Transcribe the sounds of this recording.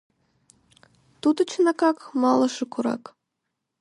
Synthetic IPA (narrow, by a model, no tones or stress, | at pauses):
t̪ud̪ə̆t͡ɕnɑkɑkmɑlˠɤ̆ʃɤ̆kuɾɑ̰k